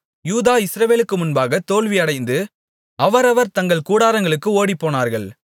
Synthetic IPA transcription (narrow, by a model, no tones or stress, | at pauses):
juːðaːɪsɾɐʋeːlɯkːɯmʊnbaːɣɐt̪oːɭʋɪɐɽɐɪnd̪ɯ | ɐʋɐɾɐʋɐɾt̪ɐŋɡɐɭkuːɽaːɾɐŋɡɐɭɯkːɯoːɽipːoːnaːɾɣɐɭ